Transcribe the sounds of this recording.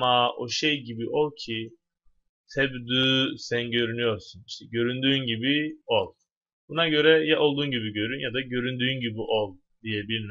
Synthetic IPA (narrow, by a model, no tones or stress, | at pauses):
mao̞ʃejɟibiʔo̞lˠcʰi | t̪ʰɛbd̪ysænɟø̞ɾynyjo̞ɾsuniʃt̪ʰɛɟø̞ɾynd̪yːnɟibiolˠ | bunaɟø̞ɾɛjaʔo̞lˠd̪uːnɟibiɟø̞ɾynjad̪aɟø̞ɾynd̪yːnɟibiʔolˠ | d̪̥ijɛbilʲm